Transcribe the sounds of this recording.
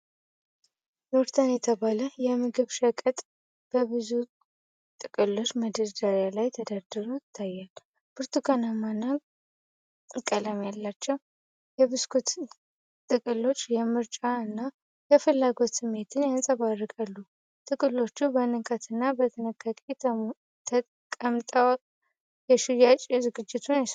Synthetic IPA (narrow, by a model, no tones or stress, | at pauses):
noɾt̪ʰanjɛt̪ʰəβaləjɛmɨɡɨβʃəkʼət̪ʼ | b̥əβɨzu | t̪ʼɨkʼɨlo̞t͡ʃːməd̪əd̪aɾjalajt̪ʰəd̪ad̪ɨɾoɪt̪ʰːajːal | bʰɨɾt̪uɡʰanamanːa | kʼələmjalːat͡ʃːɛw | jɛβɨskʰut̪ | t̪ʼɨkʼɨlo̞t͡ʃːjɛmɨɾt͡ʃʼaɨnːa | jɛfɨlːaɡo̞t̪sɨmːe̞t̪ʰɨnjansʼəβarːɨkʼalːu | t̪ʼɨkʼɨlːo̞t͡ʃːubənɨkʰət̪ʰɨnːabət̪ʰɨnəkʰʼːakʼe | t̪ʰə | kʼəmt̪ʼəw | jɛʃujat͡ʃʼzɨɡɨd͡ʒːɪt̪ʰuns